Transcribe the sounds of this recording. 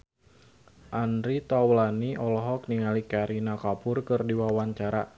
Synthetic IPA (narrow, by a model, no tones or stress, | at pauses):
ʔandɾit̪awlaniʔɔlɔɦɔk̚niŋalikaɾinakapʊrkɨrdiwawaɲt͡ʃaɾa